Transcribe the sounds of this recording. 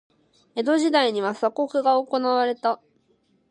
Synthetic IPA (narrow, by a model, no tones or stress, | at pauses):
e̞d̪o̞ʑid̪aiɲ̟iβasako̞kɯ̟ɡaoko̞naβaɾe̞t̪a